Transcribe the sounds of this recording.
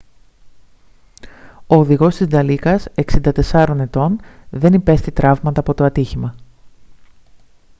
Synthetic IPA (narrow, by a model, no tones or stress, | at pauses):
o̞ːðiɣo̞st̪izd̪ɐlikɐse̞ksind̪ɐt̪e̞sɐɾo̞ne̞t̪o̞nðe̞nipe̞st̪it̪ɾɐvmɐt̪ɐːpo̞t̪o̞ɐt̪içimɐ